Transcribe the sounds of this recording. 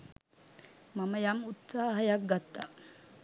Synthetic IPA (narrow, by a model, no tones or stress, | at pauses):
maməjamut̪saːɦəjak̚ɡat̪ːa